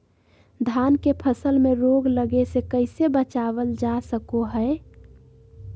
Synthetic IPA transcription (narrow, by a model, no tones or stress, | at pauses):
d̪ʱankepʰəsəlmeɾoɡləɡesekəɪsebət͡ʃabəld͡ʒasəkoɦəe